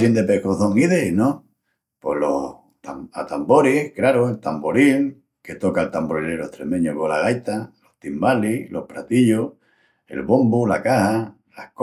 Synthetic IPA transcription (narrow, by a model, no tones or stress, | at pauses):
sind̪epekoθoŋiðenõ | po̞lo | t̪aat̪ambo̞ɾihkɾaɾoelt̪amboɾiŋ | ke̞t̪o̞kalt̪amboɾineɾot̪ɾemẽ̞ɲokolaɣ̞ajt̪alo̞ht̪imbalilʔo̞hpɾat̪iʎo | e̞̰lβo̞mbulakaha | lahk